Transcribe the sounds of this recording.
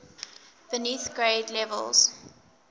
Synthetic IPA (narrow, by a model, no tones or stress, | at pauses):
b̥əniθɡ̥ɹeɪdlɛvə̰lˠz̥